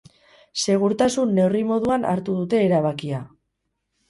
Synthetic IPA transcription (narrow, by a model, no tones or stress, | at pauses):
se̞ɣ̞uɾt̪asunːe̞wrimo̞ðuana̰ɾt̪uðut̪e̞ːɾaβ̞akia